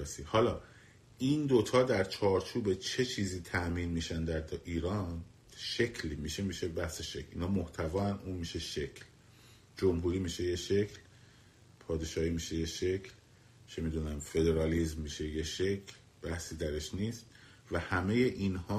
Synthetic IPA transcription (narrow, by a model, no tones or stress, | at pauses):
sihɒːlɒː | ʔind̪o̞t̪ʰɒːd̪æɾt͡ʃʰɒːɾt͡ʃʰuːbe̞t͡ʃʰe̞t͡ʃʰiːziːt̪ʰæʔmiːnmiːʃænd̪æɾd̪ʔiːɾɒːn | ʃe̞cʰlmiːʃemiːʃebæhse̞ʃe̞cʰlḭːnɒːmo̞ht̪ʰævɒːænuːnmiːʃe̞ʃe̞cʰl | d͡ʒomɦuɾiːmiːʃe̞jeʃe̞cʰl | pʰɒːd̪e̞ʃɒːhiːmiːʃe̞jeʃe̞cʰl | t͡ʃʰe̞miːd̪uːnæmfe̞d̪e̞ɾɒːlizmːiːʃe̞jeʃe̞cʰl | b̥æhsiːd̪æɾe̞ʃniːst̪ | væhæme̞je̞ʔinhɒː